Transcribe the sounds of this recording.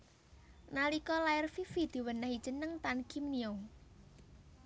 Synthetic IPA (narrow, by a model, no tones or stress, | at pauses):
nalikɔlaɪrfifid̪̥i̤wənahid̥ʒ̥ə̤nəŋt̪ankimnio